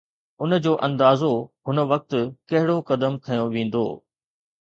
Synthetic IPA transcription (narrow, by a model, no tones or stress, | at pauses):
ʊnə̆d͡ʑoːʔɐ̃nd̪aːzoɦʊnə̆ʋɐk̚t̪ʊkɐɦɪɽokɐd̪əmkʰɐjõʋẽːn̆d̪o̰ː